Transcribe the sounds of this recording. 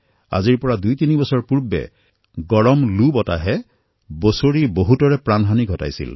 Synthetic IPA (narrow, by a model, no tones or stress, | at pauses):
a̰ziɹpɔɹadujtinibɔsɔɹpuɹbɛ̰ | ɡɔɹɔmlubɔta̰ɦɛ | bosoɹiboɦutɔɹɛpɹanɦaniɡʱɔta̰jsḭl